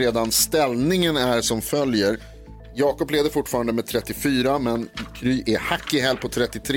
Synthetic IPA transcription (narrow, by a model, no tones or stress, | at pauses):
eːd̪anst̪ɛlnɪŋənæɾʂɔmfœljəɾ | jɑːkɔpleːvd̪əɾfʊʈːfɑːɾand̪əmɛd̪̚t̪ʰɾɛt̪ːɪfyːɾamɛnkʰɾyːʔɛhakːɪɦɛlpʰɔt̪ʰɾɛt̪ːɪt̪ʰɾ